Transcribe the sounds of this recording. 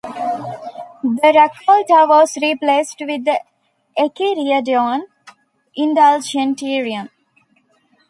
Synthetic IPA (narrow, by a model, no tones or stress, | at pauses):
d̪əɾekʰolʈəʋɔːsɾipleːsʈʋid̪ | ʔekiɾiəɖɔ̃ːn | ʔĩɳɖald͡ʒẽnʈiːɾiə̃m